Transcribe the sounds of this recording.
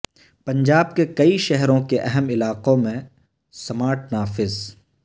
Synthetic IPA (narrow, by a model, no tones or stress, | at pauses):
pɐ̃ɲd͡ʒaːb̚kekɐiʃɛɦɾõkeʔɛɦɛmɪlaːqõmẽ | sɐmaːɾʈnaːfɪz